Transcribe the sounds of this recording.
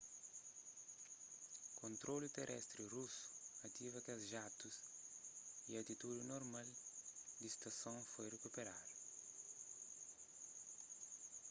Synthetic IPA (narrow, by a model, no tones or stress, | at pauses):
kõnt̪ɾolit̪erʔɛ̰st̪ɾirusu̥ɐt̪ivɐkɐzʒat̪us | iɐt̪it̪ud̪inoɾmald̪ist̪ɐsõŋfojrekupeɾad̪u